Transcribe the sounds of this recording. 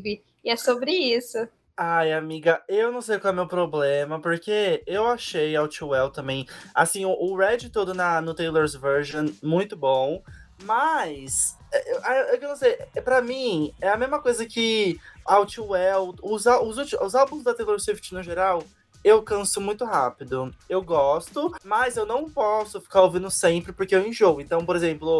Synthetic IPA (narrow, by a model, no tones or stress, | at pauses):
vɪ | ɪɛsobɾɪisʊ | ajamiɡɐewnɐ̃w̃s̬ejkwawɛmewpɾoblẽmɐpoɾkeewaʃejawt͡ʃiwɛwt̪ɐ̃mbẽj̃asĩʊʔʊɾɛd͡ʒɪt̪od̪ʊnɐnʊt̪ejloɾzveɾʒɐ̃mũj̃t̪ʊbõw̃mɐs | ɛʔewʔawewkewnɐ̃w̃sejɛɛpɾɐmĩɛɐmezmɐkojzɐkɪawt͡ʃiwɛwʊzaʊzut͡ʃʊzawbũzd̪ɐt̪ejloɾsift͡ʃɪnʊʒeɾaw | ewkɐ̃sʊmũj̃t̪ʊɦapɪd̪ʊewɡɔst̪ʊmɐzewnɐ̃w̃pɔsʊfi̥kaɾovĩnd̪ʊsẽmpɾɪpoɾkeewẽʒoɡʊẽnt̪ɐ̃w̃poɾezẽmplʊ